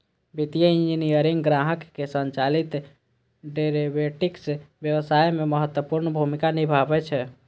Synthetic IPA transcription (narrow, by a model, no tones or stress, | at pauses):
bit̪ijəĩnd͡ʒinijəɾiŋɡɾaɦəkːesənt͡ʃalit̪ | ɖeɾebeʈiksbjəwəsajmeməɦət̪wəpuɾnbʱumikanibʱabɛt͡ʃʰɛ